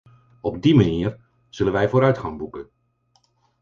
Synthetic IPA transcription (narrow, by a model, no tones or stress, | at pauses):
ɔb̚dimaniːər | z̥ɵlənʋɛjvoːɾœɥtχɑŋbukə